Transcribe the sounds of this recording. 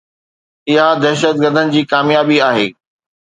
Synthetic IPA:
ɪɦad̪ɛɦʃət̪̚ɡəɾd̪ʱənɪ̆d͡ʑiːkaːmjaːbiaːɦḛː

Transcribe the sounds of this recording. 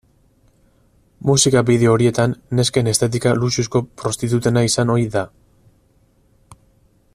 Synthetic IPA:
musikabiðe̞o̞ɾie̞t̪anːe̞ske̞ne̞st̪et̪̬ikalusisko̞pɾo̞st̪it̪ut̪e̞naisano̞jða

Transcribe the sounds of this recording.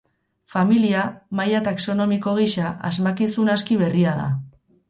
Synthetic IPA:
familiamajat̪akso̞no̞miko̞ɣ̞iʃaʔa̰zmakisunaskiβ̞e̞riaða̰

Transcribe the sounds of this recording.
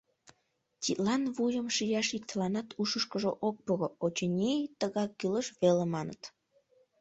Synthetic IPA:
t̪ʲit̪lɑnβujəmʃijɑʃik̚t̪əlɑnɑt̪ʰuʃəʃkəʒoʔok̚poɣoot͡ɕenʲejt̪əɣɑkːyləʃβelemɑnə̰t̪

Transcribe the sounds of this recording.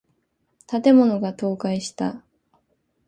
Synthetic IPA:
t̪at̪e̞mo̞no̞ɡat̪o̞ːkaiɕi̥t̪a̰

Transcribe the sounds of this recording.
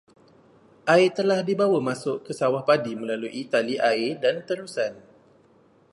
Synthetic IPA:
ʔaɪt̪əlahdibawamãsʊʔkəsawahpadimə̃laluʔit̪aliʔaɪdant̪əɾusan

